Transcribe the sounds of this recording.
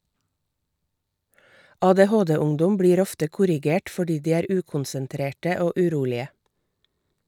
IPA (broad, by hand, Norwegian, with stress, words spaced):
ɑːdeːˈhoːdeːˌʊŋdʊm ˈbɽiːɾ ˈɔftə ˈkʊɾɪˌɡeːʈ fɔˈɖiː ˈdiː ˈæːɾ ˈʉːkʊnsənˌtɾeːʈə ˈoː ʉˈɾuːlɪə